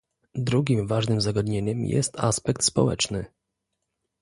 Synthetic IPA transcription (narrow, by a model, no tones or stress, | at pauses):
d̪ɾuɡʲimvaʐnɘmzaɡad̪ɲeɲɛmjɛ̰st̪aspɛk̚t̪spɔwɛ̰t͡ʂnɘ